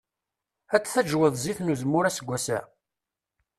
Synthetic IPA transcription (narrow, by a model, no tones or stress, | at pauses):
æt͡sːθæd͡ʒwəðˤziθnuzəmːʊɾæsəɡʷːæsæ̰